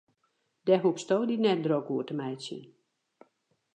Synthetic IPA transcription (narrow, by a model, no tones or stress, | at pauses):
dɛɦupstoːdinɛt̚drokuərtəmɛjsjə̰n